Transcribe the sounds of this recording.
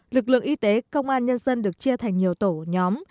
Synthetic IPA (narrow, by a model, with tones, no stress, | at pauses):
lɨ˨˩k̚lɨ̰˧˨əŋʔi˧˦t̪e˨˦kə˧wŋ͡mʔaː˧nɲə˧nzə˧nɗɨ˨˩ək̚t͡ɕi˧ət̪ʰa˨˩jŋ̟ɲi˨˩əwt̪o˧˩ɲɔ˨˦m